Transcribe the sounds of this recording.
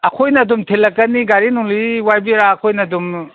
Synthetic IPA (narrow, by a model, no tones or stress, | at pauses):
ɐkʰojnɐdumtʰelːɐkːɐniɡaɾinuŋliwajbiɾaːkʰojnɐdum